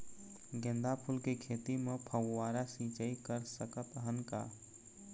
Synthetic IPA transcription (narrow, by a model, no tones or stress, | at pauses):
ɡẽnd̪apʰulkekʰet̪imepʰəɡwaːɾasĩt͡ʃəikəɾsəkət̪ɦənka̰